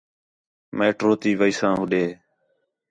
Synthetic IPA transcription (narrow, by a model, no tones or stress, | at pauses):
meːʈɾoːt̪iːʋəiːsãːɦʊɗeː